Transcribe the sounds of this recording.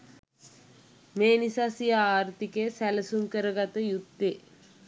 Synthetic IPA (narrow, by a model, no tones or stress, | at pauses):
meːnisasijaaːɾt̪ikesæləsuŋkəɾəɡat̪əjut̪ːe